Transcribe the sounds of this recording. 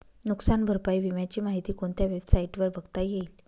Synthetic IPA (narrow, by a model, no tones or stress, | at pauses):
nuksanbʱəɾpaiʋimjat͡ɕiːmaɦit̪iːkoɳt̪jaʋebsaiʈʋəɾbʱəɡt̪ajeiːl